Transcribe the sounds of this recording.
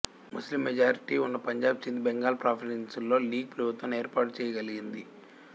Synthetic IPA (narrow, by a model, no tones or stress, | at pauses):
muslimːed͡ʒaːɾiʈiːunːɐpɐɲd͡ʒaːb̚t͡ʃind̪beŋɡaːlpɾaːpʰilensulːo̞ːliːɡ̚pɾɐbut̪ʋɐme̞ːɾpaːʈt͡ʃɛːjɐɡɐliɡind̪i